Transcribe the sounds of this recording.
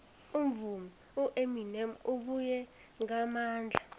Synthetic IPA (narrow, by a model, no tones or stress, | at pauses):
um̩vumi | uʔeminɛmuɓujɛ | ŋamaːnd͡ɮʱa